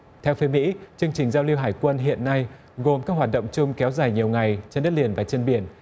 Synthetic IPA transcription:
t̪ʰɛ˧wfe˨˦mḭ˧˥t͡ɕɨ˧əŋt͡ɕï˨˩ŋ̟zaː˧wli˧wɦaː˧˩jkwə˧nɦḭ˧˨ənːa˧j | ɣo˨˩mkaː˦˥k̚hwaː˨˩t̚ɗə̰˧˨wŋ͡mt͡ɕʊ˧ŋ͡mkɛ˨˦wzaː˨˩jɲi˨˩əwŋa˨˩jt͡ɕe˧nɗə˦˥t̚li˨˩ənvaː˨˩t͡ɕe˧nɓi˨˧˩ən

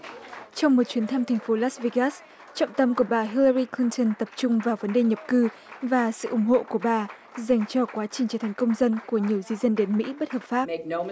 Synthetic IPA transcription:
t͡ɕɔ˧wŋ͡mmo˨˩t̚t͡ɕwi˨˦ənt̪ʰa˧mt̪ʰa˨˩ŋ̟fo˨˦laː˦˥sve˧ɣa˦˥s | t͡ɕɔ̰˧˨wŋ͡mt̪ə˧mku˧˩əɓaː˨˩ɦi˧lə˧ɾi˧kli˧nt̪ə˨˩nt̪ə˨˩p̚t͡ɕʊ˧ŋ͡mvaː˨˩wvə˨˦nɗe˨˩ɲə˨˩p̚kɨ˧ | vaː˨˩sɨ̰˧˨ʔʊ˧˩ŋ͡mho̰˧˨ku˧˩əɓaː˨˩ | za˨˩jŋ̟t͡ɕɔ˧kwaː˨˦t͡ɕï˨˩ŋ̟t͡ɕəː˧˩t̪ʰjŋ̟kə˧wŋ͡mzə˧nku˧˩əɲi˨˩əwzi˧zə˧nɗe˨˦nmḭ˧˥ɓə˦˥t̚həː˨˩p̚faː˦˥p

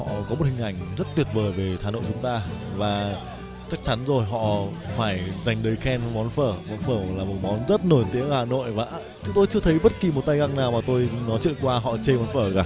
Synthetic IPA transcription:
ɔ̰˧˨kɔ˨˦mo˨˩t̚hï˨˩ŋ̟ʔa˧˩jŋ̟zə˦˥t̚t̪wi˨˩ət̚vəː˨˩jve˨˩t̪ʰaː˨˩no̰˧˨t͡ɕʊ˨˦ŋ͡mt̪aː˧vaː˨˩ | t͡ɕa˦˥k̚t͡ɕa˨˦nzo˨˩jɦɔ̰˧˨faː˧˩jza˨˩jŋ̟ɗəː˨˦jxɛ˧n˨˦mɔ˨˦nfəː˧˩mɔ˨˦nfəː˧˩laː˨˩mo˨˩t̚mɔ˨˦nzə˦˥t̚no˧˩jt̪i˨˦əŋhaː˨˩no̰˧˨jvaː˨˩ʔt͡ɕʊ˨˦ŋt̪o˧jt͡ɕɨ˧ət̪ʰə˨˦jɓə˦˥t̚ki˨˩mo˨˩t̚t̪a˧jɣa˧ŋnaː˨˩wmaː˨˩t̪o˧jnɔ˨˦jt͡ɕwḭ˧˨ənkwaː˧ɦɔ̰˧˨t͡ɕe˧mɔ˨˦nfəː˧˩ɣaː˧˩

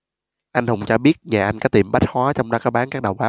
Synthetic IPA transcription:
ʔa˧jŋ̟hə˧wŋ͡mt͡ɕɔ˧ɓi˦˥ət̚ɲaː˨˩ʔa˧jŋ̟kɔː˨˦t̪i˨˩mɓa˦˥t̚hwaː˨˦t͡ɕɔ˧wŋ͡mɗɔ˨˦kɔː˨˦ɓaː˨˦nkaː˦˥k̚ɗa˨˩wɓaː˨˦w

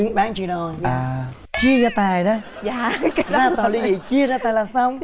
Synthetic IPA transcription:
ɨ˨˦ŋɓaː˨˦ŋt͡ɕi˧nɔ˨˧˩aː˩˨˩ | t͡ɕi˧əzaː˧˩t̪aː˨˩jɗa˨˦aː˧zaː˧t̪ɔː˨˩wli˧zi˨˩t͡ɕi˧əzaː˧t̪aː˨˩laː˨˩sa˧wŋ͡m

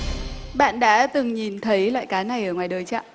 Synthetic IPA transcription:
ɓa̰ː˧˨nɗa̰ː˧˥t̪ɨ˨˩ŋɲi˨˩nt̪ʰə˨˦jlwa̰ː˧˨kaː˨˦na˨˩jʔəː˧˩ŋwaː˨˩jɗəː˨˩jt͡ɕa̰ː˧˨ʔ

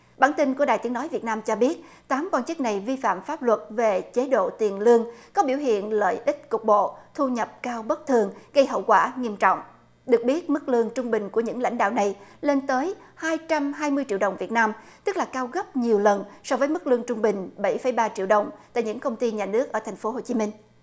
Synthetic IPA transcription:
ɓaː˧˩nt̪i˧ŋ̟ku˧˩ɗa̰ː˨˩jt̪i˨˦ənɔ˨˦jvi˨˩ət̚naː˧mt͡ɕɔ˧ɓi˦˥ət̚ | t̪aː˨˦mkwaː˧nt͡ɕɨ˦˥k̚na˨˩jvi˧fa̰ː˧˨mfaː˦˥p̚lwə˨˩t̚ve˨˩t͡ɕe˨˦ɗo̰˧˨t̪i˨˩ənlɨ˧əŋkɔ˨˦ɓi˧˩wɦḭ˧˨ənlə̰ː˧˨jʔï˦˥k̟̚kʊ˨˩k͡p̚ɓo̰˧˨t̪ʰu˧ɲə˨˩p̚kaː˧wɓə˦˥t̚t̪ʰɨ˨˩əŋɣə˧jɦə̰˧˨wkwaː˧˩ŋi˧əmt͡ɕɔ̰˧˨wŋ͡m | ɗɨ˨˩ək̚ɓi˦˥ət̚mɨ˦˥k̚lɨ˧əŋt͡ɕʊ˧ŋ͡mɓï˨˩ŋ̟ku˧˩əɲɨ̰˧˥ŋla̰˧˥jŋ̟ɗa̰ː˧˨wna˨˩jle˧nt̪əː˨˦jhaː˧jt͡ɕa˧mɦaː˧jmɨ˧əjt͡ɕḭ˧˨əwɗə˨˩wŋ͡mvi˨˩ət̚naː˧mt̪ɨ˦˥k̚laː˨˩kaː˧wɣə˦˥p̚ɲi˨˩əwlə˨˩nsɔ˧vəː˨˦jmɨ˦˥k̚lɨ˧əŋt͡ɕʊ˧ŋ͡mɓï˨˩ŋ̟ɓə˧˩jfə˧˩jɓaː˧t͡ɕḭ˧˨əwɗə˨˩wŋ͡mt̪a̰˧˨ɲɨ̰˧˥ŋkə˧wŋ͡mt̪i˧ɲaː˨˩nɨ˦˥ək̚ʔəː˧˩t̪ʰa˨˩ŋ̟fo˨˦ɦo˨˩t͡ɕi˨˦mï˧ŋ̟

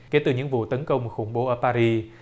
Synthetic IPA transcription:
ke˨˦t̪ɨ˨˩ɲɨ̰˧˥ŋvṵ˧˨t̪ə˨˦nkə˧wŋ͡mxʊ˧˩ŋ͡mɓo˨˦ʔəː˧˩paː˧ɾi˧

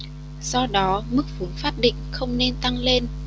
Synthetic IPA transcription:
zɔ˧ɗɔ˨˦mɨ˦˥k̚vu˨˦nfaː˦˥p̚ɗḭ˧˨ŋ̟xə˧wŋ͡mne˧nt̪a˧ŋle˧n

